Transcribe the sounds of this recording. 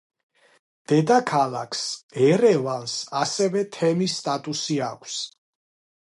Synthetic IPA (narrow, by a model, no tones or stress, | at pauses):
d̪̥ɛd̪akʰalakʰsɛɾɛvalsasɛvɛt̪ʰɛmisːt̪ʼat̪ʼusiakʷʰs